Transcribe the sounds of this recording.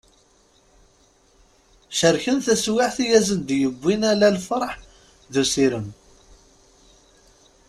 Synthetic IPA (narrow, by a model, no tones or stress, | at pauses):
ʃəɾçənθæswɪʕθijæzənd̪jəbʷːinælælfəɾˤħ | ðusiɾəm